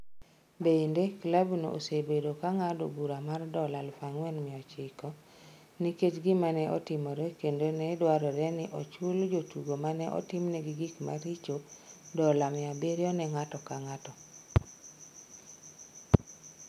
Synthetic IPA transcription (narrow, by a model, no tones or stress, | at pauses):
bendeklabno̰ʔo̰sebedokaŋado̰buɾamardɔlalfaŋwɛnmɪɔt͡ʃɪkɔ | niket͡ʃɡɪmanɛʔɔ̰tɪmɔɾɛkendonɛdwaɾɔɾɛnɪʔɔt͡ʃuld͡ʒotuɡomanɛʔɔ̰tɪmnɛɡɪɡikma̰ɾit͡ʃodɔlamɪabeɾjɔnɛŋatɔkaŋatɔ